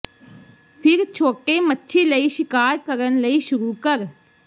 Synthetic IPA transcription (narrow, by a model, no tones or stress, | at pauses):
pʰɪɾt͡ʃʰoːʈeːmətːʃʰeːləiːʃɪkaːɾkəɾənləiːʃʊɾuːkəɾ